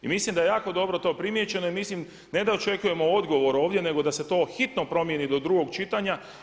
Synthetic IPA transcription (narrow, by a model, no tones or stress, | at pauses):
imislimd̪ajejaːko̞d̪o̞bɾo̞t̪o̞ːpɾimje̞t͡ɕe̞no̞imislim | ne̞d̪ao̞t͡ʃe̞kuje̞mo̞o̞d̪ɡo̞ʋo̞ɾo̞ːʋd̪jene̞ɡo̞d̪ase̞t̪o̞ːxit̪no̞pɾo̞mje̞nid̪o̞d̪ɾuɡo̞ɡt͡ʃit̪aɲa